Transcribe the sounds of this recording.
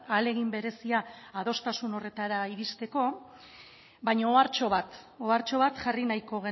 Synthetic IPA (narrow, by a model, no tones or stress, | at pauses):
ale̞ɣ̞imbe̞ɾe̞siaːð̞o̞st̪asuno̞re̞t̪aɾaiɾist̪e̞ko̞ | bajɲaoaɾt͡ʃo̞βat̪ | oaɾt͡ʃo̞βat̪ʝarinajko̞ɣ̞e̞